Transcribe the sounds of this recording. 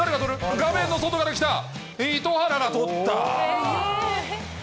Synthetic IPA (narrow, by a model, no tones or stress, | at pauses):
aɾeɡat̪oɾɯ̟ɡamẽ̞nːo̞sot̪o̞ɡad̪eki̥t̪a | it̪ohaɾaɡat̪o̞t̪ːa̰